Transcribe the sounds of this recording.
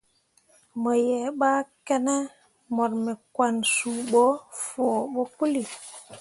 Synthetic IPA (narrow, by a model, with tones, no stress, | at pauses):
mə˨jɛ˨ɓa˦kɛ˦nɛ˦ | mɔ˨ɾmɛ˨kwa˨nsu˨ɓɔ˦fo˨ɓɔ˦pu˦li˨